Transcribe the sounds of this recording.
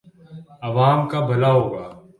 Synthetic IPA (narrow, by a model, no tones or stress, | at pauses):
ɐʋaːmkabʱɐlaɦoːɡaː